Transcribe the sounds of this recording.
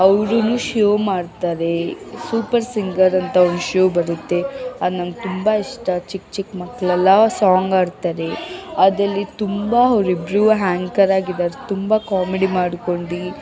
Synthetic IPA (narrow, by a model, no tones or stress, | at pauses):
ɐʋɾunuʃoːmaːɽt̪aːɾe̞suːpɐɾsiŋɡɐɾɐnt̪ɐonuʃoːbɐɾut̪ːe̞ad̪nɐːmɡt̪umbaiʂʈɐt͡ʃikt͡ʃikmɐkːɐɭɐlːɐsaːŋɡaːɖt̪aːɾe̞ɐd̪ɾɐlːit̪umbɐɐʋɾibɾuɦaːŋkɐɾaːɡid̪aːɾet̪umbɐkaːmeɽimaːɽko̞ɳɖi